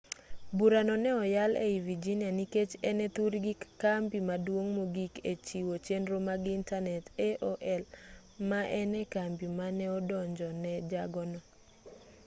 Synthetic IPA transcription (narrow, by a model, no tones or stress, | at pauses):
buɾanɔnɛɔjalʔɛ̰ivid͡ʒinjaniket͡ʃɛnɛt̪uɾɡikambimadwoŋmoɡiket͡ʃiwot͡ʃenɾomaɡintanɛtɛʔoʔɛl | maʔɛnɛkambimanɛɔdɔɲd͡ʒɔnɛd͡ʒaɡɔnɔ